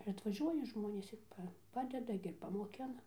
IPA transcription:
ɪr ɐtʋɐˈʒʲuɔjɛ ˈʒmoːnʲeːs ɪr ˈpɐ ˈpɑːdʲɛdɐ ɡʲɪ ɪr pɐmoːˈkʲɪnɐ

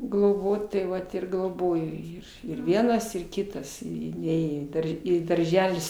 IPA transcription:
ɡlˠoːˈboːt tɐɪ ˈʋɐt ɪr ɡlˠoːˈboːjoː jiː ɪr ˈʋʲiɛnɐs ɪr ˈkʲɪtɐs ɪ ɪ ˈnʲeːjoː iː ˈdɐr ɪ dɐrʲˈʒʲæːlʲɪs

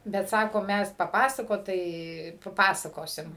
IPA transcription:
bʲɛt ˈsɑːkoː ˈmʲæs pɐˈpɑːsɐkoːt tɐɪ pɐˈpɑːsɐkoːsʲɪm

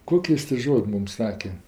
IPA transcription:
ˈkoːkʲɪ ˈjɪs tʲɪ ˈʒoːtʲ ˈmʊm ˈsɑːkʲɛ

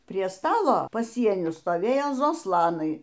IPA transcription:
pʲrʲiɛ ˈstɑːlˠoː pɐˈsʲiɛnʲʊ stoːˈʋʲeːjoː zoːˈslˠɑːnɐɪ

